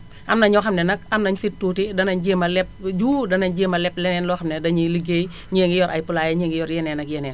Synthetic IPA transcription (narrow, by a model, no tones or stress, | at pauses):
ʔɐmnɐɲɔxɐmnɛnɐk̚ɐmnɐɲfit̚tːuːtidɐnɐɲd͡ʒemɐlɛp̚d͡ʒuːdɐnɐɲd͡ʒeːmɐlɛplɛnɛnlɔxɐmnɛdɐɲiliɡej | ɲeːŋɡijɔɾʔɐ̰jpulaːjɛɲeːŋɡijɔɾjɛnɛnɐkjɛnɛn